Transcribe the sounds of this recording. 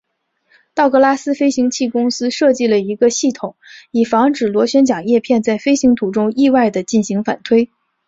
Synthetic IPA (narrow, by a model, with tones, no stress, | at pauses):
t̪ɑ˥˩ʊkɤ˥˧la˥sɹ̩˥fe˥ɪɕi˧˥ŋt͡ɕʰi˥˩kʊ˥ŋsɹ̩˥ʂɤ˥˧t͡ɕi˥˩lə˩i˧˥ɡə˧ɕi˥˩t̪ʰʊ˨˩˦ŋi˨˩fɑ˧˥ŋʈ͡ʂɻ̩˨˩lwɔ˧˥ɕɥɛ˥nt͡ɕjɑ˨˩ŋjɛ˥˧pʰjɛ˥˧nt͡sa˥˩ɪfe˥ɪɕi˧˥ŋt̪ʰu˨˩ʈ͡ʂʊ˥ŋi˥˧wa˥˩ɪd̪ə˩t͡ɕi˥˩nɕi˧˥ŋfa̰˨˩nt̪ʰwe˥ɪ